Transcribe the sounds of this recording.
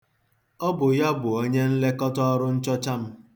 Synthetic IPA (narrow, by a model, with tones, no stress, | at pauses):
ɔ˦bʊ˨ja˦bʊ˨o˦ɲe˦n̩˦le˦kɔ˦tɔ˦ɔ˦ɾʊ˦n̩˦t͡ʃɔ˦t͡ʃa˦m̩˦